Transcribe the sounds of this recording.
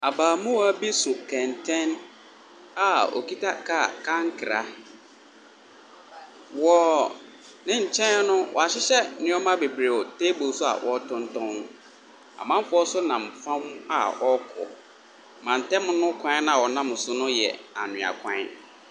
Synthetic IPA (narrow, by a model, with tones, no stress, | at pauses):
a˨baː˨mũ˦wa˦bi˦sʊ˨kʰɛ̃˨n˨tʰɛ̃˦n | a˦ɔ̰˨ki˦tʰa˦kʰa˦˨kʰã˦ŋ̩˦kʰɪ˨ɾa̰˦ | wɔ˨ | nɪ̃˦ɲ̩˨t͡ɕʰɛ̃˦nʊ̃˦wɔ̰˨a˨ɕɪ˦ɕɛ˦nɪ̃˦ɔ˦mã˦be˨bɾe˨ɔ˨tʰe˦bo˨˦sʊ˦a̰˨wʔɔ˨tʰʊ̃˦n˦tʰɔ̃˦n | a̰˨mã˦m˦fʊ˦ɔ˦sʊ˦nã˨m̩˨fã˦m˦a̰˨ɔ˦kʰʊ̰˨ | mã˨n̩˨tʰɛ̃˦m̃˦nʊ̃˦kʰã˦nã˦˨wɔ˨nã˦m˨sʊ˦nʊ̃˦jɛ̰˨a˨nʊ̃˨a̰˨kʰã̰˦